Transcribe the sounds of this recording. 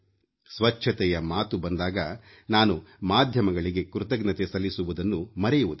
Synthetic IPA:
sʋɐt͡ʃʰːɐt̪ɛjɐmaːt̪ubɐnd̪aːɡɐ | naːnumaːd̪ʱjɐmɐɡɐɭiɡe̞kɾut̪ɐɡnɐt̪esɐlːisuʋud̪ɐnːumɐɾɛjuʋud̪i

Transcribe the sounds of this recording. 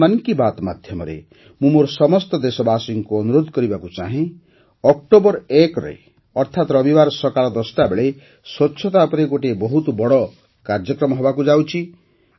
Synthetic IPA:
ankibat̪ma̰d̪ʱjɔmɔ̰ɾḛ | mũmoɾɔsɔmɔst̪ɔd̪esɔbasiŋkuɔnuɾod̪ʱkɔɾibakut͡ʃaɦĩ | ɔk̚ʈobɔɾekɾɔ̰e | ɔɾt̪ʰat̪ɾɔbibaɾɔsɔkalɔd̪ɔst̪abeɭe | swɔtːʃʰɔt̪apɔɾeɡoʈebɔɦut̪ɔbɔɽɔ | kaɾd͡ʒɔkɾɔmɔɦobakud͡ʒawt͡ʃʰi

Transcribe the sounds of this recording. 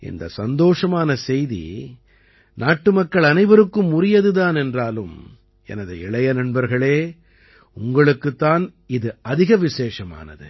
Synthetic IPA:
ʔɪ̰nd̪ɐ̰sɐnd̪oːʂɐmaːnɐsɛjðḭ | naːʈːɯmɐkːɐɭɐnɐɪbɐɾɯkːɯmːʊrɪjɐðɯðaːnɛndraːlɯm | ɛ̰nɐðɯɪɭɐjɐnɐɳbɐɾɣɐɭeː | ʊŋɡɐɭɯkːɯt̪ːaːn | ɪðɯɐðɪɣɐʋɪseːʂɐma̰ːnɐ̰ðɯ̰

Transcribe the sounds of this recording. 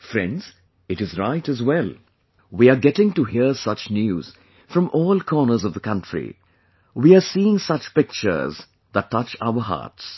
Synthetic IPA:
fɹɛ̰̃ndz̥ | ɨɾɨzɹaɪtɨzwɛl | wiaɡɛtɪ̃ŋtuɦiəsʌt͡ʃnjuːz̥ | fɹʌ̃mʔɔːlˠkʰɔːnə˞zʌvðəkʰʌ̃ntɹ̥ḭ | wiasiːɪ̃ŋsʌt͡ʃpɪk̚t͡ʃə̰˞z | ðətʰːʌt͡ʃa̰ʊə˞ɦɑ̰ːts

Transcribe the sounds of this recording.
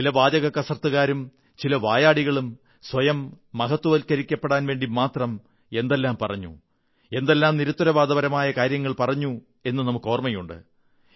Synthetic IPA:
t͡ɕilɐʋaːd͡ʑɐɣɐkːɐsrɐt̪ːɨɣaːɾum | t͡ɕilɐʋaːjaːɽiɣɐɭum | sʋɐjɐmː | ɐɦɐt̪ːwɐʋɐlkɐɾikʲːɐpːeɽaːnʋe̞ːɳɖimaːt̪rɐm | e̞nd̪elːaːmpɐrɐɲːṵ | e̞nd̪e̞lːaːmniɾut̪ːɐɾɐʋaːd̪ɐbɐɾɐmaːjɐkaːɾjɐŋːɐɭpɐrɐɲːu | e̞nːɨnɐmukːo̞ːrmɐjuɳɖɨ̰

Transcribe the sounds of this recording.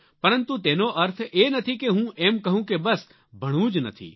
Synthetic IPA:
pɐɾə̃nt̪ut̪eːnoʔɐɾt̪ʰeːnɐt̪ʰikeɦũʔeːmkɐɦũkebɐs | bʱɐɽ̃ũːd͡ʒnɐ̰t̪ʰḭː

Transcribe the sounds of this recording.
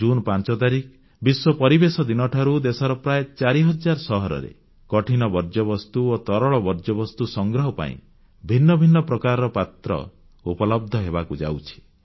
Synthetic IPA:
d͡ʒunpant͡ʃɔt̪aɾik | biswɔpɔɾibesɔd̪inɔʈʰaɾud̪esɔɾɔpɾaet͡ʃaɾiɦɔd͡ʒaɾsɔɦɔɾɔ̰ɾḛ | kɔʈʰinɔbɔɾd͡ʒɔbɔst̪uot̪ɔɾɔɭɔbɔɾd͡ʒɔbɔst̪usɔŋɡɾɔɦɔpa̰ḭ̃ | bʱinːɔbʱinːɔpɾɔkaɾɔɾɔpat̪ɾɔ̰ | upɔlɔb̚d̪ʱɔɦebakud͡ʒa̰wt͡ʃʰi̥

